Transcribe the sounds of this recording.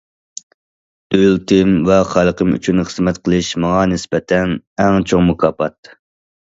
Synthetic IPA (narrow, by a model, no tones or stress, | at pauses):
ølt̪ʰɪmvɛχɑlˠəqʰəmy̰t͡ʃʰynχəzmɛt̪qʰəlˠɨʃmɑŋɑnɪsbɛt̪ʰɛnɛŋt͡ʃʰoŋmukʰɑːpʰɑt̪